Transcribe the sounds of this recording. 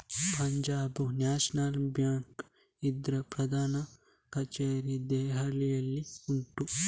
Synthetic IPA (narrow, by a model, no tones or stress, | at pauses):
pɐɲd͡ʒaːbunjaːʃɐnalbjaːŋk | id̪ɾɐpɾɐd̪ʱaːnɐ | kɐt͡ʃeːɾid̪ɛːɦalijɐlːiuɳʈu